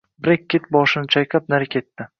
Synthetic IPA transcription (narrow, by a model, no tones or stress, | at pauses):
bɾekʲʰːet̪̚bɒʃɪnɪt͡ʃʰajqʰʲap̚naɾɪkʲʰe̞t̪ːɪ